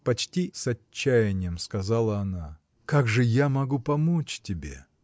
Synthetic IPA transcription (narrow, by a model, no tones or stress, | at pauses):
pɐt͡ɕtʲisɐːæjɪnʲɪjəmskɐzalˠəɐna | kaɡʐɨjamɐɡupɐmot͡ɕtʲɪbʲḛ